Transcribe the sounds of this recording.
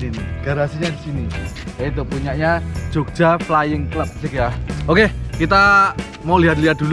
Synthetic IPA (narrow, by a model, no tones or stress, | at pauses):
iniɡ̥aɾasiɲad̪isini | jait̪̬upuɲaʔɲḁd͡ʒ̥oɡ̥d͡ʒ̥aflajɪŋkləp̚sɪkjaokekit̪a | moliɦat̪̚liɦat̪̚d̥̪ul